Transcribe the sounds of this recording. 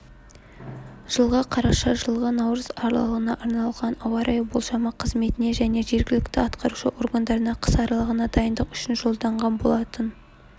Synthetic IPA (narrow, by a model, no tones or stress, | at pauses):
ʒ̥əlˠʁɑqʰɑɾɑʃɑʒəlˠʁənɑwɾəzɑɾlɑ̰lˠəʁənɑʔɑɾnɑlˠʁɑnɑwɑɾʔɑjbolˠʃɑmɑqʰəzme̞t̪ɪne̞ʒæne̞ʒe̞ɾɡʲɪlɪkt̪ɪɑt̪qɑɾuʃəʔo̞ɾɡand̪ɑɾənɑqʰə̥sɑɾɑlˠəʁənɑd̪ɑjənd̪əqʏʃɪnʒo̞lˠd̪ɑɴʁɑnbo̞lˠɑt̪ən